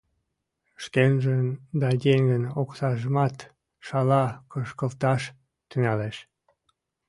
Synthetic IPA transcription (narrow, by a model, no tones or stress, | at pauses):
ʃkenʒənd̪ɑdʲeŋɡənoksɑʒəmɑt̪ | ʃɑlɑkəʃkəlt̪ɑʃ | t̪yŋɑleʃ